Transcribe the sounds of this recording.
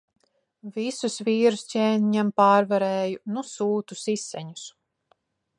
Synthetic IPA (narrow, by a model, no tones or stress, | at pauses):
visusviːɾuscʲɛːniɲampaːɾvaɾɛːjunusuːt̪usisːɛɲus